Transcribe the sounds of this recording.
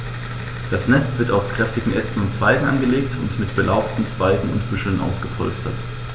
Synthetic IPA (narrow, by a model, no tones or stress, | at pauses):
d̥asnɛstv̥ɪɐtaʊskʁ̥ɛftɪɡŋ̩ʔɛstn̩ʊntt͡sv̥aɪɡŋ̩ʔanɡəleːktʰʊ̰ntmɪtb̥əlʔaʊptn̩t͡sv̥aɪɡŋ̩ʊ̰ntb̥ʏʃl̩nʔa̰ʊsɡ̥əpʰɔ̰lstɐ̰t